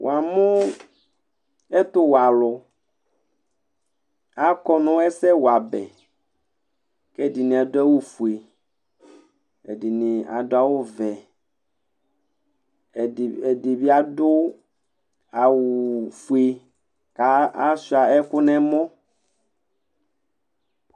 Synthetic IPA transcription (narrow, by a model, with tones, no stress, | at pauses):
wʔa˨mũ˦ | ɛ˦t̪ʊ˦wa˨lʊ˨ | a˦kɔ˦nʊ̃˦ɛ˦sɛ˦wo˨a˨bɛ̰˨ | kɛ˦˨di˨nĩ˨a˨dʊ˦a˦wu˦fu˨e˨ | ḛ˨di˨nĩ˨a̰˨dʊ˦a˦wʊ˦vɛ˨ | e˨di˨bi˦a˦dʊ˦ | a˨wu˨fu˨e˨ | ka˦a˦su˨˦a˨ɛ˦kʊ˦nɛ̃˦mɔ̃˦